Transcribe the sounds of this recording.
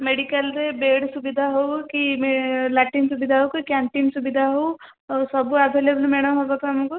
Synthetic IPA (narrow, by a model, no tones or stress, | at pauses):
meɽikəld̪ebeːɽsubid̪ʱaɦowkimelaːʈinsubid̪ʱaɦokikãɳʈinsubid̪ʱaɦow | sɔbuɐbʱelebəlmeɽ̃ɐmɦobakamũko